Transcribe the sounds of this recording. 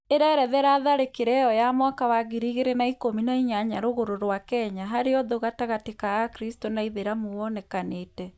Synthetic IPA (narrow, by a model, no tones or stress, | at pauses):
eɾɛɾɛðɛɾaðaɾekeɾɛɔjamwakawaɣiɾiɣeɾenaikominaiɲaɲaɾoɣoɾoɾwakɛɲaɦaɾeɔðoɣataɣatekaakɾistonaiðeɾamowɔnɛkaneːtɛ